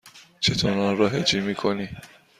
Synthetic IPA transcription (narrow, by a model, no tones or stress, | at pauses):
t͡ʃʰet̪ʰonãɾɔɦed͡ʒimikʰoni